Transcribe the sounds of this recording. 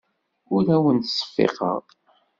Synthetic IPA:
ʊɾæwənt̪sˤːə̥fːḛqə̰ʁ

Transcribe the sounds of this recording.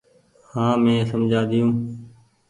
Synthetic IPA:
hãːmẽːsəmd͡ʒʱaːd̪ɪjõː

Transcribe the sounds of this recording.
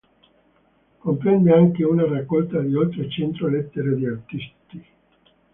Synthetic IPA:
kompɾɛnd̪eaŋk̟eunarakːɔlt̪ad̪iolt̪ɾet͡ʃent̪ɾolɛt̪ːeɾed̪iart̪ist̪i

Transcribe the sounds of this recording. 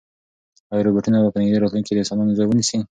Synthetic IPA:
ajɾobeʈunabapənɪɡd̪iɾɑt̪lunked̪əsɑnɑnozajwənisi

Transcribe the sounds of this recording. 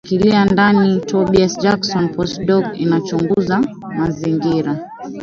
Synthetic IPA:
kiliandanitʰɔɓiasd͡ʒaksɔnpɔstdɔɡḭnat͡ʃuŋɡuza | maziŋɡiɾa

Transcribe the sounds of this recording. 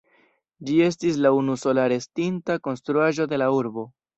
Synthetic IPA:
d͡ʒie̞s̬tis̬launuso̞laɾe̞stintako̞nstɾuaʒo̞de̞lauɾbo̞

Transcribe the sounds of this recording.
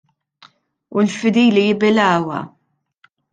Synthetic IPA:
ulfɪd̪iːlijɪbɪlɐːwɐ̰

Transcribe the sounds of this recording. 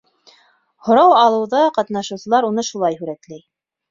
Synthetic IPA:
hŏɾɑwɑlˠɤ̆wðɑqɑt̪nɑʃɤ̆wsɤ̆lˠɑɾunɤʃulˠɑjhʉɾæt̪læj

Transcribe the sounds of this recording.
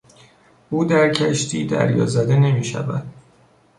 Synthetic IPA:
ʔuːd̪æɾcʰæʃt̪ʰiːd̪æ̰ɾjɒ̰ːzæd̪e̞ne̞miːʃæ̰væd̪̥

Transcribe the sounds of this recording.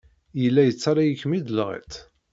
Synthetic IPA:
jəlːæjət͡sːaɾˤajəçmid̪əlʁḭt̪

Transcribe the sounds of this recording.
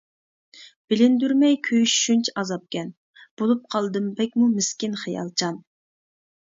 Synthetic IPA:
b̥ɪlɪnd̪yɾmɛjkʲʰøjʃy̥ʃynt͡ʃʰɛɑzɑp̚kʲɛn | b̥olˠup̚qʰɑlˠd̪ɨmbɛk̚ʲmumɪskʲɪnχijɑ̰lˠt͡ʃʰɑn

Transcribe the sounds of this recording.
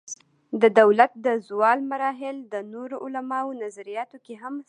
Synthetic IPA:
d̪əd̪awlat̪̚d̪əzwɑlmaɾɑɦɪld̪ənoɾoʔʊlamɑwnazaɾijɑt̪okeɦam

